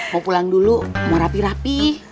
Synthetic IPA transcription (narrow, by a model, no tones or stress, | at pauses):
mopulaŋdulumoɾapiɾapi